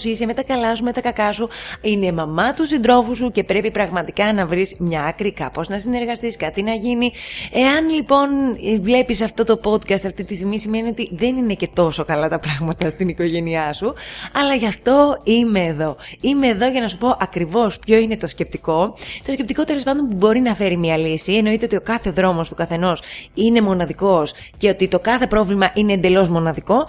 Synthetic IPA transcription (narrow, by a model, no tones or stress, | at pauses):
sisemet̪ɐkɐlɐsume̞t̪ɐkɐkɐsuine̞mɐmɐt̪usind̪ɾo̞fus̬uce̞pɾe̞pipɾɐɣmɐt̪ikɐnɐvɾismɲɐkɾikɐpo̞znɐsine̞ɾɣɐst̪iskɐt̪inɐʝinie̞ɐnlipo̞nvle̞pisɐft̪o̞t̪o̞po̞d̪kɐst̪ɐft̪it̪ist̪iɣmisime̞nio̞t̪iðe̞nine̞ce̞t̪o̞so̞kɐlɐt̪ɐpɾɐɣmɐt̪ɐst̪iniko̞ʝe̞niɐsuɐlɐʝɐft̪o̞ime̞ːðo̞ime̞ːðo̞ʝɐnɐsupo̞ʔɐkɾivo̞spço̞ine̞t̪o̞sce̞p̚t̪iko̞t̪o̞sce̞p̚t̪iko̞t̪ele̞spɐnd̪o̞npubo̞ɾinɐfe̞ɾimiɐlisieno̞it̪eo̞t̪io̞kɐθeðɾo̞mo̞st̪ukɐθe̞no̞sine̞mo̞nɐðiko̞s | ce̞ot̪it̪o̞kɐθe̞pɾo̞vlimɐʔineːnd̪e̞lo̞zmo̞nɐðiko̞